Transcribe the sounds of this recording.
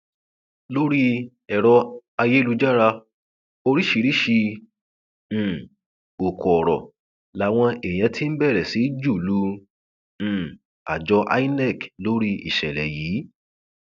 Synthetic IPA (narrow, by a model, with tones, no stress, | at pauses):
lo˦ɾi˦ | ɛ˨ɾɔ˧a˧je˦lu˧d͡ʒa˦ɾa˧ | o˧ɾi˦ʃi˨˧ɾi˦ʃi˧˨ | o˨kɔ˨ɔ˨ɾɔ̰˨ | la˨˦w̃ɔ̃˧e˨j̃ɛ̃˨˦tʰi˦n̩˦bɛ˦˨ɾɛ˨si˨˦d͡ʒu˦˨lũ˧˦˨ | a̰˨d͡ʒɔ˧ʔa̰˦i˦nɛ˦˨klo˦ɾi˧ḭ˨ʃɛ˨lɛ̰˨jiː˨˦